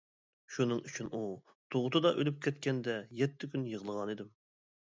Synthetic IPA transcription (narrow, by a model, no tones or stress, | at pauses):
ʃunɨŋyt͡ʃʰynu | t̪ʰoʁʊt̪ʰɨd̪ɑʔølyp̚kʲʰɛt̪̚kʲʰɛnd̪ɛjɛt̪ʰːɪkʲʰynjəʁəlˠəʁɑnid̪ɪm